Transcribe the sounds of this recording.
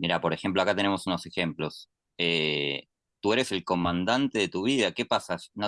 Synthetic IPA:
miɾapo̞ɾe̞xe̞mp̬loakat̪ene̞mo̞suno̞se̞xe̞mplo̞s | e | t̪ue̞ɾese̞lko̞mãnd̪ant̪e̞ðet̪uβ̞ið̞ake̞pasasno

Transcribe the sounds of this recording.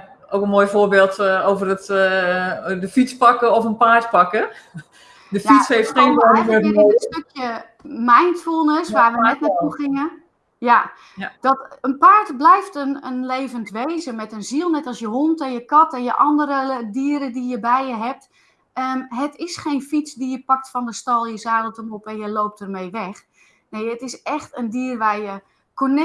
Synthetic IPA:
owkənmoːjfoːrbeːlˠtoːvərət | dəfit͡spɑkəɔfənpaːtpɑkə | dəfjishejftχeːnonəfəəəstøkjə | majntfulˠnəsʋaːʋənɛt̚natuxɪŋə | ja | d̥ɔtənpaːɹtblɛjftənənleːvəntʋejzəmɛtənzilˠnɛtɔsjəɦontɛnjəkɔtɛnjəʔɔndəɾədiːəɾədijəbɛjjəɦɛp̚t | əmɦətɪsχeːnfit͡sdijəpɑk̚tfɔndəstɔlˠjəzaːdəlˠtəmopɛnjəlowp̚tərmeːʋɛx | neːətɪsɛxtəndiːrʋarjə | konɛ

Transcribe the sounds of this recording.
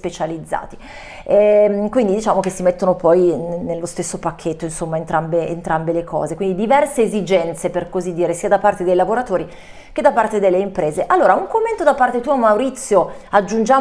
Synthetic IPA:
spet͡ʃalid̪zːa̰ːt̪i̥ | ɛkwind̪id̪it͡ʃaːmokesːimet̪ːonopɔjnnelːost̪esːopakʰːet̪ːoinsomːaent̪ɾambeḛnt̪ɾambelekʰɔ̰ːzekwind̪id̪ivɛrseːzid͡ʒɛnt̪seperkozid̪ːiːɾesiːad̪apːart̪ed̪ejlavoɾat̪oːɾi | ked̪apːart̪ed̪elːeimpɾeːzeʔalːoːɾauŋkomːent̪od̪apːart̪et̪uamawɾit̪sːjoad͡ʒːund͡ʒaː

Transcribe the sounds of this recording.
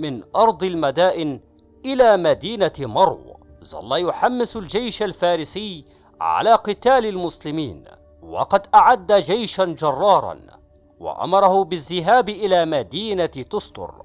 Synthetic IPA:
mɪnʔɑɾˤd̪ˤlmad̪aːʔɪn | ʔɪlaːmad̪iːnamɑɾˤw | zɑ̰lːɑjʊħamːɪsald͡ʒajʃalfaːɾɪsɪj | ʕa̰laːqɨt̪aːlalmʊslɪmiːn | wɑ̰qɑd̪ʔaʕad̪ːad͡ʒajʃand͡ʒɑrˤːɑːɾˤɑ̰n | wɑ̰ʔa̰mɑɾˤɑhʊbɪzːɪɦaːbʔɪlaːmad̪iːnat̪ʊsˤt̪ʊ̰ɾ

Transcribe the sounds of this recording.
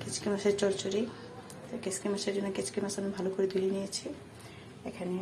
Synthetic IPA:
ket͡ɕkimaʃeɾt͡ɕɔɾt͡ɕoɾi | t̪okeskimaʃeɾd͡ʑonːoket͡ɕkimasamibʱalokoɾed̪ulienijet͡ɕʰi | ekʰane

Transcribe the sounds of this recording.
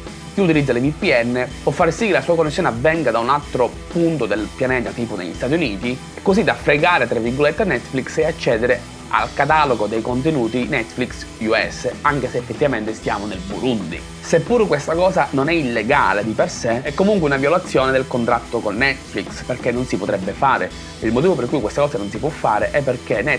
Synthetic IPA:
k̟iut̪̬ilid̪zːalevipːiɛnːepwɔfːaɾsikːelasuːakonːesːjɔːneavːɛŋɡad̪aunalt̪ɾo | punt̪od̪elpjanɛːt̪at̪iːpod̪ḛʎːist̪aːt̪̬juniːt̪i | kːozid̪afɾeɡaːɾet̪ɾevːirɡolet̪ːenɛt̪ːflikseat͡ʃːɛːd̪eɾe | a̰lkat̪aːloɡod̪ejkont̪̬enuːt̪inɛt̪ːfliksuɛ̰sːaŋk̟eseːfːet̪ːivament̪est̪ja̰ːmonelbulund̪ḭ | sepːuːɾkwest̪akɔːzanonɛilːeɡa̰ːled̪iperseɛkːomuŋkweunavjolat̪sːjɔːned̪elkont̪ɾat̪ːokonːɛt̪fliksperkenːonsipot̪ɾɛbːefaːɾe | ilmot̪iːvoperkujkwest̪akɔːszanonsipwɔfːaːɾeʔɛpːerkenɛ

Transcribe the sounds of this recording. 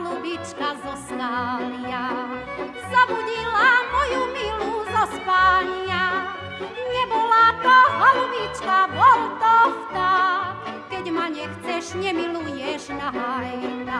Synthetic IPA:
lubit͡ʃkazɔst̪aːlia | zabuɟilamɔjumiluzɔsp̪aːɲa | ɲɛbɔlat̪ɔɦalubit͡ʃkavɔlt̪ɔft̪a | kɛɟmaɲɛxt͡sɛʃɲɛmilujɛʒnaɦajna

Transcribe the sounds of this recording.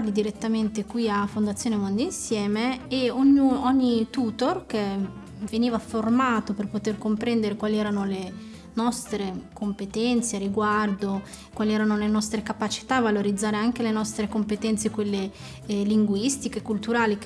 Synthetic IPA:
lid̪iɾet̪ːament̪ekwiafond̪at̪sjoːnemond̪iinsjɛːmeeoɲːuɔɲːit̪uːt̪ork̟e | veniːvaformaːt̪operpot̪erkompɾɛnd̪eɾekwaːliɛːɾanole | nɔst̪ɾekʰompet̪ɛnt̪seariɡward̪o | kwaːliɛːɾanolenɔst̪ɾekapat͡ʃi̥t̪aːvːaloɾid̪zːaːɾeaŋk̟elenɔst̪ɾekompet̪ɛnt̪sekwelːe | liŋɡwist̪ikekult̪uɾaːlik

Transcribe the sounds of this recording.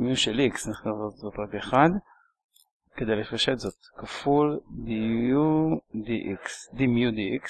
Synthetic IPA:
mijuʃeliksniχnavzot̪zot̪ʁabeχad̪ | ked̪ejlefaʃet̪zot̪̚kafuld̪iud̪iʔiksd̪imijud̪iiks

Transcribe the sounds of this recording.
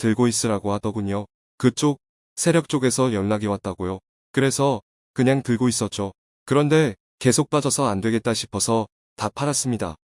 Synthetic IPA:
tɯɭɡois͈ɯɾaɡoadʌbuɲjo | kɯt͡ɕ͈ok̚ | sʰe̞ɾjʌk̚t͡ɕ͈oɡe̞sʰʌjʌnːaɡiwat̚t͈aɡojo | kɯɾe̞sʰʌ | kɯɲaŋtɯɭɡois͈ʌt̚t͡ɕ͈o | kɯɾʌnde̞ | ke̞sʰok̚p͈ad͡ʑʌsʰʌandwe̞ɡe̞t̚t͈aɕʰi̥pʰʌsʰʌ | tapʰaɾas͈ɯmɲida̰

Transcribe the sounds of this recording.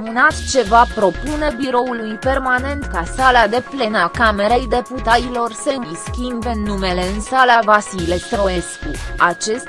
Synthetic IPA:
mɨnat̪t͡ʃe̞vapɾo̞pune̞biɾo̞ulujpe̞rmane̞nt̪kasalad̪e̞ple̞nakame̞ɾe̞jd̪e̞put̪ailo̞rsəɨiskʲimbenːume̞le̞ɨnsalavasile̞st̪ɾo̞eskuat͡ʃe̞st̪ʲ

